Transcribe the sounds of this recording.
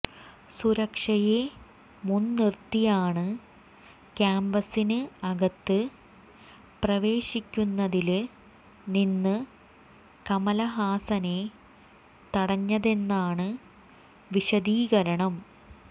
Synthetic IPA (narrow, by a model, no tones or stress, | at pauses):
suɾɐkʂɐje | munːirt̪ːijaːɳɨ | kaːmbɐsinɨɐɡɐt̪ːɨ | prɐʋe̞ːɕikʲːunːɐðil | ninːɨ | kɐmɐlɐɦaːsɐne | t̪ɐɽɐɲːɐðe̞nːaːɳɨ | ʋiɕɐd̪iːɣɐɾɐɳɐm